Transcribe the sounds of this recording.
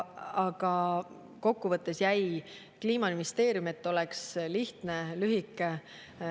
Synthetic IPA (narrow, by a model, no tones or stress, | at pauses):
ɑɡ̥ɑ | ko̞kːuvɤt̪ːe̞sjæj | kliːmɑminist̪e̞ːɾjume̞t̪ːˑo̞leksliht̪ne̞lyɦikːˑe